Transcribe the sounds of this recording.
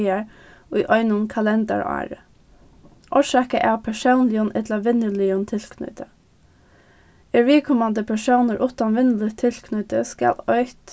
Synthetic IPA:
əɹ | ʊjʔɔʏnʊnkʰalɛnd̪ɑ̰ɹɑ̰ːɹə̰ | ʔɔʂɑːkəʔæ̰ːwpʰæʂəʊnlɪjənʔɛt̪laʋɪnəlɪənt̪ʰɪlkʰnʏ̰t̪ʰə | əɹʋiːkʰɔmand̪əpʰæʂəʊnəɾʔʊt̪anʋɪnələt̪ʰɪlkʰnʏt̪əskɑ̰lœʏt̪

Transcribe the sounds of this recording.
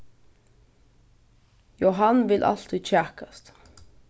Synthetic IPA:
joɦɑnʋɪlʔɑ̰l̥t̪ʰɪt͡ʃæːkɑst̪

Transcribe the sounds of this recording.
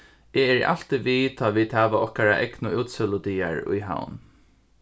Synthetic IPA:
ɛɛɹ̰ʔa̰l̥t̪ɪʋiːt̪ʰaːʋiːd̪̥hæːʋaɔhkaɾaʔɛknʊʔuːt̪sɪlʊd̪iːaɹʊ̰jɦa̰wn

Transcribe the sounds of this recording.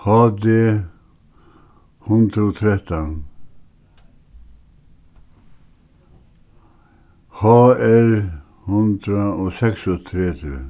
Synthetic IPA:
hɑd̪ɪ | hʊnd̪ɾɔt̪ʰɾɛt̪an | hɑːɛɾ | hʉnd̪ɾaɔsɛksɔt̪ʰɾɛt̪ʰɪ

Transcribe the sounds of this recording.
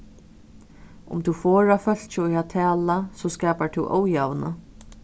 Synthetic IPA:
ʊ̰mt̪ʰufɔːɹafœl̥t͡ʃɪʊjat̪ʰɛːlasɔːskɛːpaɹt̪ʰuwʔo̰ːwjawnə̰

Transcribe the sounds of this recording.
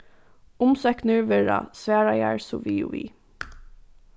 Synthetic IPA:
ʊmsɛknəɹʋɪɹa̰sʋæːɹajaɹsʊʋḭːʋḭː

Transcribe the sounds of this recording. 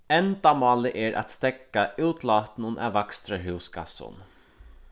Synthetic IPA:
ɛnd̪amɑːləʔɛɹʔa̰t̪st̪ɛkːaʔʉːt̪ʰlɑːt̪n̩ʊnʔæ̰ʋakst̪ɾəɦʉːsɡa̰sʊ̰n

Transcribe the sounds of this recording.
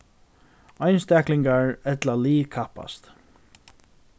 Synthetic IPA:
ɔjnst̪ɛklɪŋkaɹɛt̪laliːkʰapa̰st̪

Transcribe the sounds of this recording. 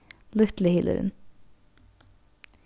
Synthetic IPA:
lʏt̪lɪhɪlʔə̰ɾə̰n

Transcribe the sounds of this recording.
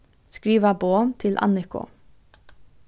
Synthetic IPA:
skɹiːʋəboːmt̪ʰɪlʔɑ̰nɪkʊ̰

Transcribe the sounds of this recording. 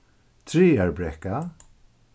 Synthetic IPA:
t̪ʰɾiːɛɹbɹɛka

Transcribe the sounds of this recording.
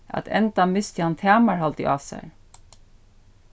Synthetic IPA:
a̰t̪ʰɛ̰nt̪amːɪst̪ɪhant̪ʰæːmaɹhalt̪ɪʔa̰ːsæ̰ɹ

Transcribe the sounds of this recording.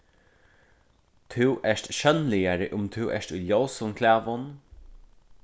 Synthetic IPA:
t̪ʰɪwʔɛʂt̪ʃœnlɪjaɹəʔʊmt̪ʰuwʔɛ̰ʂt̪ujljowsʊnkʰlæːvʊn

